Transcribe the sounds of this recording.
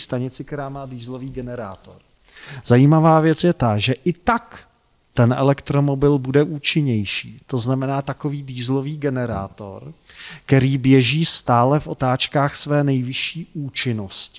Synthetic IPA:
st̪aɲɪt͡sɪk̚t̪ɛɾaːmaːdiːzlo̞viːɡɛnɛɾa̰ːt̪o̞̰ɾ | z̥ajiːmavaːvjɛt͡sjɛt̪aʒɛʔɪt̪ak | t̪ɛnʔɛ̰lɛkt̪ɾo̞mo̞bɪlbudɛʔuːt͡ʃɪɲɛjʃiːt̪o̞znamɛnaːt̪ako̞viːdiːzlo̞viːɡɛnɛɾa̰ːt̪o̞̰ɾkt̪ɛɾiːbjɛʒiːst̪aːlɛfʔo̞t̪aːt͡ʃkaːxsvɛːnɛjvɪʃiːʔuːt͡ʃɪnoscɪ̥

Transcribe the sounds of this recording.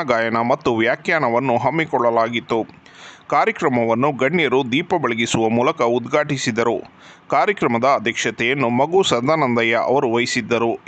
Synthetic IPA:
aɡaːjɐnɐmɐt̪ːuʋjaːkjaːnɐʋɐnːuɦɐmːikɔɭːɐlaːɡit̪ːu | kaːɾjɐkɾɐmɐʋɐnːuɡɐɳːjɐɾud̪iːpɐbɐɭɐɡisuʋɐmuːlɐkɐud̪ɡʱaːʈisid̪ɐɾu | kaːɾjɐkɾɐmɐd̪ɐːd̪ʱjɐkʂɐt̪ɛjɐnːumɐɡusɐd̪anɐnd̪ɐjɐʔɐ̰ʋɐɾuʋɐjisid̪ːɐɾu

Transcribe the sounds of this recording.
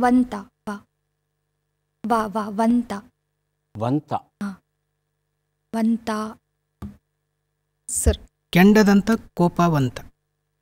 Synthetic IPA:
ʋɐnt̪ɐ | ʋa | ʋaʋaʋɐnt̪a | ʋɐnt̪ɐ | a | ʋɐnt̪a | sɐɾ | keɳɖɐd̪ɐnt̪ɐkoːpaːʋɐnt̪ɐ̥

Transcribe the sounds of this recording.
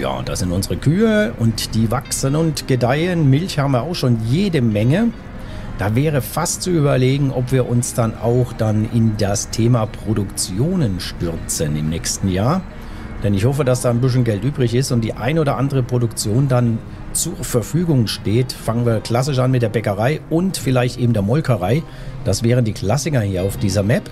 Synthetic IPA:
ja̰ːd̥a̰sz̥ɪntʊnzəʁəkʰyːəʔʊntd̥iːvaksənʊntɡ̥ədaɪənmɪlçhaːbm̩viːɐaʊxʃoːnjeːdəmɛŋə | d̥aːvɛːʁ̞əfastt͡suyːbɐleːɡŋ̩ʔɔpv̥iːɐʔʊnsd̥ana̰ʊxd̥anɪndastʰeːmapʁ̥odʊkt͡sjoːnənʃtʏʁt͡sənɪ̰mnɛːçstn̩jaːɐ | d̥ɛnɪçhɔf̬əd̥asd̥aːnbɪs̬ən̩ɡɛltʔyːbʁɪçɪstʊntd̥iːʔa̰ɪnəʔoːdɐʔandəʁəpʁ̥odʊkt͡sjoːndan | t͡suɐfɛɐfyːɡʊŋʃteːtfaŋənviːɐkl̥as̬ɪʃʔanmɪtd̥eːɐbɛkəʁaɪʊntfɪlaɪçtʔeːbm̩deːɐmɔlkʰɐʁ̞aɪ | d̥asv̥ɛːʁəndiːkl̥asɪkɐhiːɐaʊfd̥iːzɐmɛp

